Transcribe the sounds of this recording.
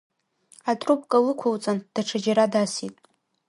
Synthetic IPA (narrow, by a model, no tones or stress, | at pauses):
atʼrup̚ʰʼkʼalɨkʷʰowt͡sʼand̥aʈ͡ʂʰad͡ʒaɾadasitʼ